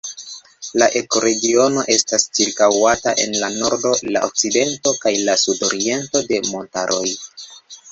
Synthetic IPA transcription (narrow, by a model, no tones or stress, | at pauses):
laʔe̞ko̞ɾe̞ɡio̞no̞ʔe̞stast͡ʃiɾkawataʔe̞̰nlano̞ɾdo̞la̰ʔo̰k̚t͡side̞nto̞kajlasudo̞ɾie̞nto̞de̞mo̞ntaɾʔo̞j